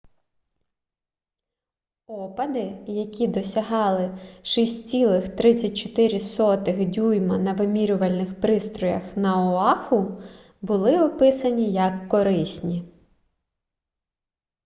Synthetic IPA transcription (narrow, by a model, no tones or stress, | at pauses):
ɔpɐd̪ɪjɐkʲid̪ɔsʲɐɦɑlˠɪʃisʲt͡sʲilˠɪxt̪ɾɪt͡sʲːɐt̚ʲt͡ʃɔ̥t̪ɪɾʲɪsɔt̪ɪxdʲujmɐnɐʋɪmʲiɾʲʊʋɐlʲnɪxpɾɪst̪ɾɔjɐ̰xnɐɔɑxʊ | bʊlˠɪɔpɪsɐnʲijɐkːɔɾɪsʲnʲi